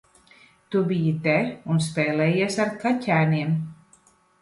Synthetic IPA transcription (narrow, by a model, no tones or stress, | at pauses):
t̪ubijit̪ɛunspɛːlɛjiɛsaɾkʰacʲæːniɛm